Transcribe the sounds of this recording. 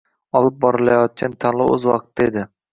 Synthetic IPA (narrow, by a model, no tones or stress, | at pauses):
ɒlˠɪp̚bɒɾɪlajɒt̪̚kʲʰant̪ʰanlˠɪɵ̰zwɒ̰qt̪ʰːaed̪ɪ